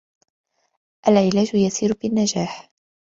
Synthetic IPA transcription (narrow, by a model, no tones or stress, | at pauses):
ʔalʕɪlaːd͡ʒʊjasiːɾbɪnːad͡ʒaːħ